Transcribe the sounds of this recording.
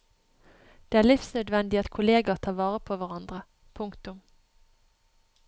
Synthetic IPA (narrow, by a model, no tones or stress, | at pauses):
d̪̥eːæːʁlɪfsnœd̪ʋɛnd̪ɪɑt̪kʰʊleːɡɑt̪ʰɑːʋɑːʁəpʰoːʋæʁɑnd̪ʁə | pʰʊŋkt̪ʊm